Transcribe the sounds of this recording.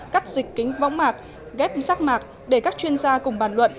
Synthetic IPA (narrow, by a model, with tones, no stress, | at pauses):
kaː˦˥k̚zï˨˩k̟ːï˨˦ŋ̟vɔ̰˧˥wŋ͡mmaː˨˩k̚ | ɣɛ˦˥p̚saː˦˥k̚maː˨˩k̚ | ɗe˧˩kaː˦˥k̚t͡ɕwi˧ənzaː˧kʊ˨˩ŋ͡mɓaː˧˩nlwə̰˧˨n